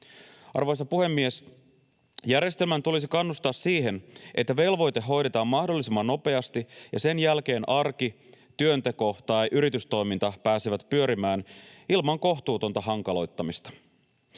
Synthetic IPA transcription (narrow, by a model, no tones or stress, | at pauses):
ɑ̰rʋo̞jsɑpuhe̞mːie̞s | jæɾjest̪elmænt̪ulis̬ikɑnːust̪ɑːsːiːɦe̞nʔet̪ːæʋe̞lʋo̞jt̪e̞ɦːo̞jɾe̞t̪ɑːmːɑhdo̞lːisimːɑnːo̞pe̞ɑst̪ijɑse̞njælk̟e̞ːnʔɑrki | t̪yønt̪e̞ko̞t̪ɑjʔyɾit̪yst̪o̞jmint̪ɑpæːsiʋæt̪pyøɾimæːnilmɑŋko̞xt̪uːt̪o̞nt̪ɑɦɑŋkɑlo̞jt̪ːɑmist̪ɑ̥